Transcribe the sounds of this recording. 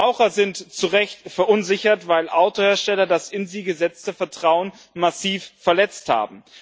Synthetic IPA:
aʊχɐzɪntt͡suʁɛçtfɛɐʔʊnzɪçɐtvaɪlʔaʊtoheːɐʃtɛlɐdasɪnziːɡəzɛt͡stəfɛɐtʁ̥aʊən | masiːfːɛɐlɛt͡stha̰ːbm̩

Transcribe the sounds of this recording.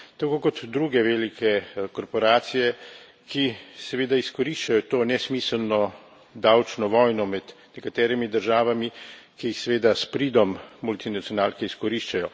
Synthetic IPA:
t̪akoːkɔt̪d̪ɾuːɡɛʋelikɛkɔɾpɔɾaːt̪sijɛ | kisɛʋeːd̪aiskɔɾiʃt͡ʃajɔt̪oːnɛsmisəlnɔ | d̪awt͡ʃnɔʋɔːjnɔmɛd̪nɛkat̪ɛːɾimid̪əɾʒaːʋami | kijixsɛʋeːd̪aspɾiːd̪ɔmːult̪inat̪sijɔnaːlkɛiskɔɾiʃt͡ʃajɔ

